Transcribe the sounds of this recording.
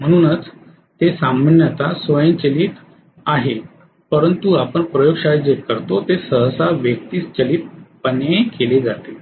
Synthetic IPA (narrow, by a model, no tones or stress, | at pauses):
m̤əɽ̃uːnət͡s | t̪esamənjət̪asʋəjə̃nt͡ɕəliːt̪ | aɦe | pəɾənt̪uapəɳpɾəjoɡʂad͡zekəɾt̪ot̪esəɦəsaʋjək̚t̪iːt͡st͡ɕəliːt̪̚pənekeled͡zat̪e